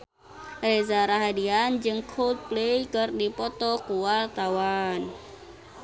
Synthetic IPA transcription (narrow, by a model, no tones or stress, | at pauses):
rezaɾaɦadiand͡ʒɨŋkʰolt̪̚plejkɨrdipɔt̪ɔkuwart̪awan